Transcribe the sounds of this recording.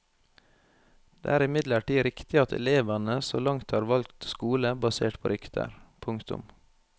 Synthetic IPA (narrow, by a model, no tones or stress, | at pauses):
d̪̥ḛːæːɾɪmɪd̪ləʈiːɾɪkt̪ɪɑt̪ʰɛ̰leːʋɑnəso̰ːlɑŋt̪hɑːɾʋɑlkt̪skuːləbɑseːʈpʰoːɾʏkt̪ʰə̰ɾpʰʊŋkt̪ʊ̰m